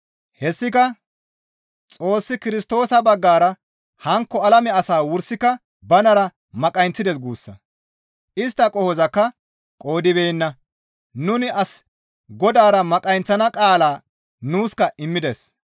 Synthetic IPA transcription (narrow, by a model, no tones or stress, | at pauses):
hɛsːɪkɐ | t͡sʼo̞ːsːɪkɪɾɪst̪o̞ːsɐbɐɡːaːɾɐ | hɐŋkːɔɐlɐmɛɐsaːwʊɾsːɪkɐ | bɐnɐɾɐ | mɐkʼɐjnt͡sːɪd̪ɛs̬ɡuːsːɐ̰ | ʔɪst̪ːɐkʼɔhɔzɐkːɐ | kʼo̞ːd̪ɪbɛjnːɐ | nʊnɪɐs | ɡɔd̪aːɾɐmɐkʼɐjnt͡sːɐnɐkʼaːlaː | nuːskɐɪmːɪd̪ɛs